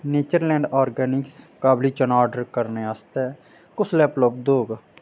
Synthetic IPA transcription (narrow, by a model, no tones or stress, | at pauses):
neːt͡ʃəɾlɛ̃ːɳɖaːɾɡɛːnɪkskaːbliːt͡ʃənaːɾɖəɾkəɾneːaːst̪ɛː | kʊt͡ʃʰlɛːplop̚d̪oːɡ